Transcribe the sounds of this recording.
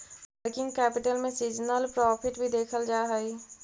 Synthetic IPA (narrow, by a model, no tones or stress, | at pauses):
pəɾkɪ̃ŋɡkɛːpɪʈəlmẽsiːd͡ʒnəlpɾɔːpʰɪʈbʱid̪eːkʰəld͡ʒaːɦəiː